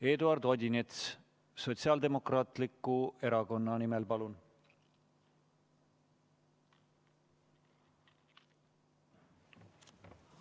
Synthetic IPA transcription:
e̞ːd̪uɑrd̪o̞d̪ʲinet̪s | so̞t̪siɑld̪e̞mo̞krɑːt̪likːue̞ɾɑko̞nːɑnimelpɑlun

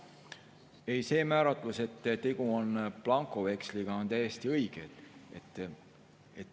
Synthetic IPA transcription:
e̞jse̞ːmæːɾɑt̪ˑluse̞t̪ːt̪e̞ɡ̥uonplɑŋkˑo̞ve̞ksliɡ̥ɑo̞nt̪æje̞st̪iɤjɡ̥ed̪t̪ː | e

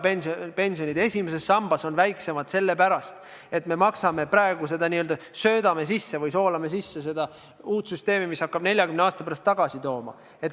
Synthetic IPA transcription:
penspe̞nʲsijo̞nʲid̪̥e̞sʲime̞se̞sːɑmb̥ɑso̞nvæjkse̞mɑd̪̥se̞lːe̞pæɾɑst̪ | e̞t̪me̞mɑksɑme̞pɾɑeɡ̥use̞d̪ɑniøld̪ɑ | sø̞ːd̪̥ɑme̞sisːe̞vɯjso̞ːlɑme̞sisːe̞s̬e̞d̪̥ɑ | uːt̪syst̪e̞ːmimishɑkːɑb̥nelʲjɑkymneɑːst̪ɑpæɾɑst̪ːɑɡ̥ɑsit̪o̞ːmɑ̰ | et̪

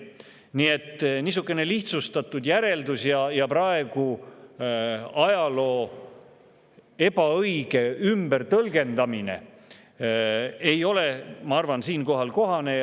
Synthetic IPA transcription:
nie̞t̪ːnis̬ukːˑe̞ne̞liht̪sust̪ɑt̪ːud̪jæɾe̞ld̪usjɑjɑpɾɑe̞ɡ̥u | ɑjɑlo̞ː | e̞bɑɤjɡ̥e̞ymbert̪ɤlɡe̞nd̪ɑmine̞̰ | e̞jo̞le̞mɑɑrvɑnsiːnko̞ɦɑlko̞ɦɑne̞

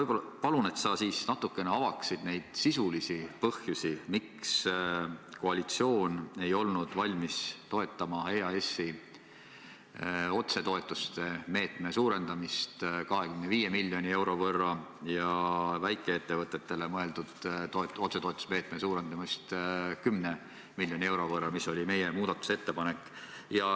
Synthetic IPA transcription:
ɤjbolɑpɑlune̞t̪sɑsiːsnɑt̪ːˑukːˑe̞neɑvɑksid̪̥ne̞jd̪̥sisulisipɤhjusʲimiks | ko̞ɑlʲit̪sio̞ːne̞jo̞lnud̪̥vɑlʲmist̪o̞e̞t̪ːˑɑmɑeːɑe̞sːi | o̞t̪se̞t̪o̞e̞t̪ːˑust̪e̞me̞ːt̪ˑme̞suːɾe̞nd̪̥ɑmist̪kɑɦe̞kymneviːje̞milʲːjo̞nʲie̞wɾo̞vɤrːɑjɑvæjkːˑe̞e̞t̪ːe̞vɤt̪ːˑe̞t̪ːe̞le̞mɤe̞ld̪ud̪̥t̪oet̪o̞t̪seoet̪ːˑu̥sme̞ːt̪mesuːɾe̞nd̪ɑmist̪kymne | milʲːjo̞nʲie̞wɾo̞vɤrːɑmiso̞lʲime̞jemuːd̪̥ɑt̪ːˑu̥se̞t̪ːepɑne̞kːˑjɑ

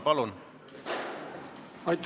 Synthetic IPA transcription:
pɑlun | ɑjt̪ː

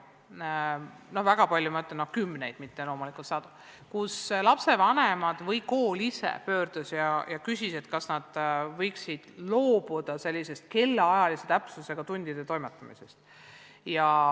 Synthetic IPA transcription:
no̞hvæɡ̥ɑpɑlʲjumɑøt̪ːˑlenːohkymːne̞jd̪̥mit̪ːe̞lo̞ːmulikˑult̪sɑːd̪̥u | kuslɑpse̞vɑnemɑd̪̥vɤjko̞ːlisḛpø̞ːrd̪̥usjɑjɑkysʲise̞t̪kɑsnɑd̪̥vɤjksid̪̥lo̞ːb̥ud̪̥ɑse̞lʲːise̞st̪̚ke̞lːeɑjɑlise̞t̪æpsuse̞ɡ̥ɑt̪unʲd̪̥id̪̥e̞t̪o̞jmet̪ːˑɑmḭse̞st̪ | jɑ

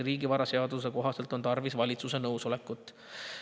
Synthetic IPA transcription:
riːɡivɑɾɑse̞ɑd̪us̬e̞ko̞ɦɑse̞lt̪ːˑo̞nt̪ɑrvisvɑlʲit̪suse̞nɤwso̞le̞kːˑut̪ːˑ

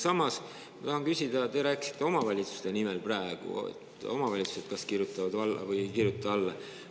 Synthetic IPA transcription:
sɑmɑs | mɑt̪ɑhɑŋkysʲid̪̥ɑt̪e̞ɾæːkisi̥t̪ːˑe̞o̞mɑvɑlʲit̪su̥st̪e̞nimelpræeɡ̥ṵḛt̪ːˑo̞̰mɑvɑlʲit̪su̥se̞d̪̥̚kɑskirjut̪ˑːɑvɑd̪vɑlːɑ̰vɤjkirjut̪ːˑɑɑlːɑ

